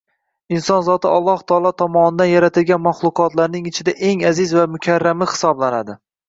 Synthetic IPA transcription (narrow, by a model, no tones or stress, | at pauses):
ɪnsɒnzɒt̪ʰɪɒlˠːɒht̪ʰɒɒlˠɒt̪ʰɒmɒnɪd̪anjaɾat̪ʰɪlɡʲanmaχlˠʊqʰɒt̪laɾnɪŋɪt͡ʃʰɪd̪aʔe̞ŋazɪzvamʊkʲʰaɾːamɪhɪ̥sɒblanad̪ɪ